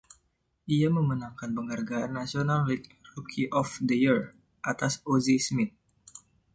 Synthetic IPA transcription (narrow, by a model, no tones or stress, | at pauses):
ʔiaməmənaŋkanpəŋɦarɡaanːasionalrik̚rukʰiʔɔfdəjir | ʔat̪asozismɪt̪̚